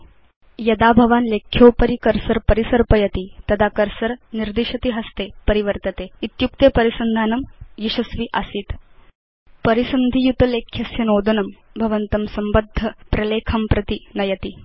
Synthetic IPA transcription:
jɐd̪abʱɐʋaːnlekʰːjoːpəɾikəɾsɐɾpɐɾisɐɾpɐjɐt̪it̪ɐd̪akɐɾsɐɾniɾd̪iʂɐt̪iɦɐst̪epɐɾiʋəɾt̪ɐt̪eit̪juk̚t̪epɐɾisɐnd̪ʱaːnɐmjiɕɐsʋiʔasiːt̪ | pɐɾisɐnd̪ʱijut̪ɐlekʰjɐsjɐnoːd̪ɐnɐmbʱɐʋɐnt̪ɐmsɐmbəd̪ʱːɐpɾɐleːkʰɐmpɾɐt̪inɐjɐt̪i

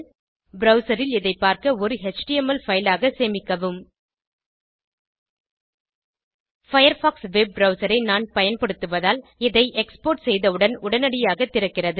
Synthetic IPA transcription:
bɾɐʊsɐɾɪlɪðɐɪpːaːɾkɐɔɾɯɦɛt͡ʃʈɪjɛmɐlfɐjlaːɣɐseːmɪkːɐʋɯm | fɐjɐɾfaːksʋɛb̚ːɾɐʊsɐɾɐɪnaːnpɐjɐnpɐɽɯt̪ːɯʋɐðaːlɪðɐɪʔɛkspoːʈsɛjðɐɯɽɐnʊɽɐnɐɽɪjaːɣɐt̪ːɪɾɐkːɪrɐðɯ

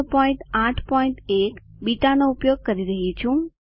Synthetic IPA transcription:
pɔĩɳʈaʈʰpɔĩɳt̪ekbiʈanoupjoɡ̚kəɾiɾəɦit͡ʃʰũ

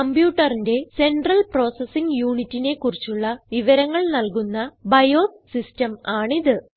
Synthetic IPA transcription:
kɐmbjuːʈːɐrinde̞se̞nɖrɐlpro̞ːsesiŋɡjuːɳitːine̞kːurit͡ɕːuɭːɐʋiʋɐɾɐŋːɐɭnɐlkunːɐbɐjo̞ː | sistɐmaːɳiðɨ

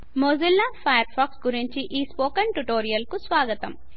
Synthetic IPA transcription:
moːzilːaːpʰɐjɐɾpʰaːksɡuɾiɲt͡ʃiʔiːspoːkɐnʈuʈoːɾijɐlkusʋaːɡɐt̪ɐm

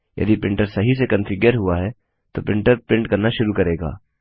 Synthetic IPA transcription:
jɐ̰d̪ipɪ̃ɳʈəɾsɐɦisekɐ̃nfɪɡjəɾɦuaɦɛ | t̪opɪ̃ɳʈəɾpɪ̃ɳʈkɐɾnaʃʊɾukɐɾeːɡa̰ː

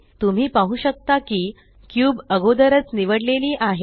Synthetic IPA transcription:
t̪um̤iːpaɦuːɕək̚t̪akiː | kjuːbəɡod̪əɾət͡sniʋəɽleliːʔaɦe

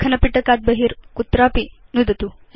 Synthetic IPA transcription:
kʰənəpiʈəkat̪̚bəɦiːɾkut̪ɾapinud̪ʱt̪u

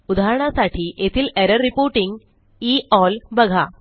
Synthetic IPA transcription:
ud̪ʱaːɦɾɐɳasaːʈʰiʔet̪ʰileɾɐripoːɾʈiŋɡ | iːɔːlbɐɡʱa

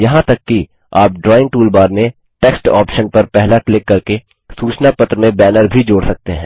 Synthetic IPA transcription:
jɐɦãt̪ɐkːi | aːp̚ɖɾɔːɪ̃ŋ̚ʈuːlbaːɾmẽ | ʈeːksʈa̰ːpʃənpɐɾpɛɦlaklɪkːɐɾke | suːt͡ʃnapɐt̪ɾəmẽbɛːnəɾbʱid͡ʒoːɽsɐk̚t̪eɦɛ̃ː

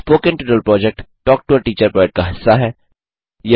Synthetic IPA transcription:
spoːkɪ̃nʈɪʈəlpɾɔːd͡ʒɛk̚ʈʈɔːk̚ʈʊəɾʈiːt͡ʃəɾpɔːɪʈ̚kaɦɪsːaɦɛː | je

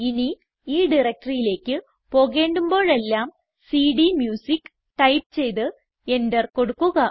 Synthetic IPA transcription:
ini | iːɖirɐk̚ʈɐrijile̞ːkʲːɨ | po̞ːɣe̞ːɳɖumbo̞ːɭe̞lːaːm | siːɖimjuːsik | ʈɐjp̚t͡ɕe̞jt̪ɨ | e̞ndɐrko̞ɽukːuɣɐ

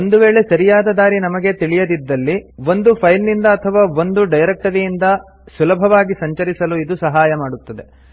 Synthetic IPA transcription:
ond̪uʋeːɭe̞sɐɾijaːd̪ɐd̪aːɾinɐmɐɡe̞t̪iɭijɐd̪id̪ːɐlːiʋo̞nd̪upʰɐjlnind̪ɐːt̪ʰɐʋaːo̞nd̪uɖɐjɾɐk̚ʈɐd̪ejind̪ɐ | sulɐbʱɐʋaːɡisɐɲt͡ʃɐɾisɐluid̪usɐɦaːjɐmaːɽut̪ːɐd̪e̞

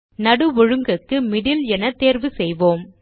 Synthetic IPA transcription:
nɐɽɯʋɔɻɯŋɡɐkːɯmɪɽɪlɛnɐt̪ːeːɾʋɯsɛjʋoːm

